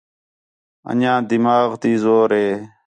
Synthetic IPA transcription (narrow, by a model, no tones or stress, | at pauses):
ə̰ɲãːd̪imaːɣt̪iːzoːɾeː